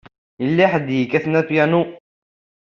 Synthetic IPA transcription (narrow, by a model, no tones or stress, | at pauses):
ilːiħəd̪hikæθnætjænu